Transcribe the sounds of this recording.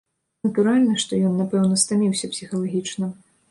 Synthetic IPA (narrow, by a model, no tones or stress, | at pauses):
nɐt̪uɾalʲnɐʂt̪ɔjɔnːapɛwnɐst̪amʲiwsʲɐpsʲixɐlˠaɣʲit͡ʂnɨm